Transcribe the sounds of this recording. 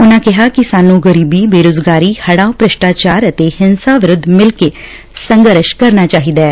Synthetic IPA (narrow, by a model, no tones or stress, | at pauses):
ʊnãːkɪɦaːkɪsaːnːũːɡəɾiːbiːbeːɾoːd͡ʒɡaːɾiːhəɽ̃ãːõpɾɪʃʈaːt͡ʃaːɾət̪eːhɪnsaːʋɪɾʊd̪ʱːmɪlkeː | səŋɡəɾʃkəɾnaːt͡ʃaːɦiːd̪aː